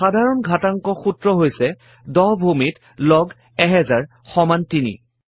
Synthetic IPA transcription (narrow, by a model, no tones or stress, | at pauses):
xadʱaɹɔnɡʱataŋkɔxutɹɔɦojsɛ | dɔɦbʱumit | lɔɡ | ɛɦɛzaɹ | xɔmantinḭ